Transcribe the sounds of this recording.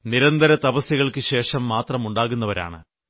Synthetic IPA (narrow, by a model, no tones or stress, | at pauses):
niɾɐnd̪ʱɐɾɐt̪ɐbɐsjiɣɐɭkɨɕe̞ːʂɐmːaːt̪rɐmuɳɖaːɣunːɐʋɐɾa̰ːɳɨ̰